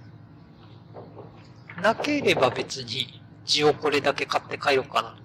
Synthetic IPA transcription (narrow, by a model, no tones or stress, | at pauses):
nake̞ɾe̞babe̞t͡sɨɲ̟i | d͡ʑio̞ko̞ɾe̞d̪ake̞kat̪ːe̞kaeɾokana